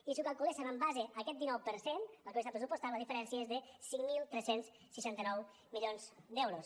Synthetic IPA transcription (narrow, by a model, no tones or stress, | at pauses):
isukalˠkulesəβambazeəkɛt̪̚d̪inɔwpəɾsenəkesapɾəsupost̪aləðifəɾɛnsiəezðəsiŋmilˠt̪ɾɛsens | səʃant̪ənɔw | miʎonzd̪ɛwɾos